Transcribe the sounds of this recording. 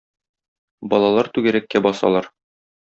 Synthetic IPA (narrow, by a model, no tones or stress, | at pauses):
bɒlˠɑlˠɑɾt̪ʉɡɘ̆ɾækːæbɒsɑ̰lˠɑɾ